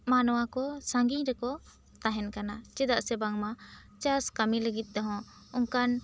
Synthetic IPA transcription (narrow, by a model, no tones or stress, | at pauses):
manɔwakɔsaŋɡiɲɾɛkɔ | t̪aɦɛnkanat͡ʃɛd̪aʔsɛbaŋma | t͡ʃaskamiləɡit̪̚ˀd̪ɔɦɔ̃ | ɔŋkan